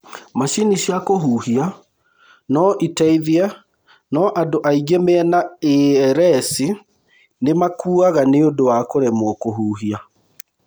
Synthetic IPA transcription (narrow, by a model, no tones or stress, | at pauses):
maɕiniɕjakoɦuhia | nɔʔitaiðiɛ | nɔʔadoʔaiɡemeɛnaeɾɛsi | nemakuːaɣaneodowakoɾɛmokoɦuːɦia